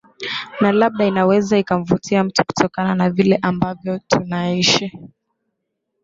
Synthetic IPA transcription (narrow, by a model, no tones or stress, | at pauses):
nalab̚ɗainawɛzaikam̩vutʰiam̩tu̥ku̥tʰɔkananavilɛʔambavjɔtʰunaiʃi